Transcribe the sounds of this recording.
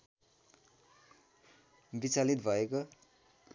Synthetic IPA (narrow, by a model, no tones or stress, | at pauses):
bit͡salit̪̚bʱʌeko